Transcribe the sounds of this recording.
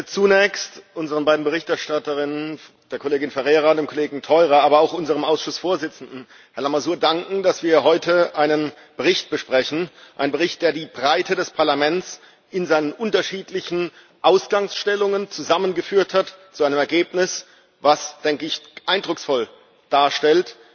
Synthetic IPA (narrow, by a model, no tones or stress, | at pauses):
t͡sunɛːçstʔʊnzəʁənbaɪdn̩bəʁɪçtɛɐʃtatəʁɪnən | d̥eːɐkʰoleːɡɪnfɛʁeːʁadeːmkʰoleːɡŋ̩tʰɔʏʁaaːbɐaʊxʔʊnzəʁəmʔaʊsʃʊsfoːɐzɪt͡sn̩dn̩ | hɛɐlamazuːɐdaŋkŋ̩dasv̥iːɐɦɔʏtʰəʔaɪnən | b̥əʁɪçt̚b̥əʃpʁ̥ɛçn̩ʔa̰ɪnbəʁɪçt̚d̥eːɐdiːbʁaɪtʰədɛspʰaɐlamɛnt͡s | ʔɪnzaɪnənʔʊntɐʃiːtlɪçn̩ | ʔaʊsɡ̥aŋsʃtɛlʊŋənt͡suzamənɡəfyːɐthatt͡suaɪnəmɛɐɡeːpnɪs | vasd̥ɛŋkəɪçʔaɪndʁʊksfɔl | d̥aːɐʃtɛlt